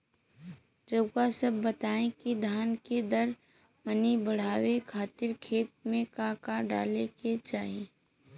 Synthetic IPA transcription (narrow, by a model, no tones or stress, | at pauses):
d͡ʒəbkasəbːət̪aːẽkid̪ʱaːnked̪əɾ | mənibəɽ̤aːwekʰaːt̪ɪɾkʰeːt̪̚mẽkakaɖa̰ːleket͡ʃaːɦie